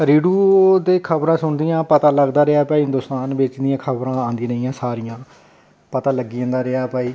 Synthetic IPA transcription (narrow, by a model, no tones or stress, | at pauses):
ɾiːɖuːd̪eːkʰəbɾãːsʊɳd̪ijãːpət̪aːləɡd̪aːɾeaːpaːiːɦɪ̃nd̪ʊst̪aːnbeːt͡ʃd̪ijãːkʰəbɾãːãːnd̪iːɾəiːãːsaːɾijãː | pət̪aːləɡːiːãnd̪aːɾeaːpəːiː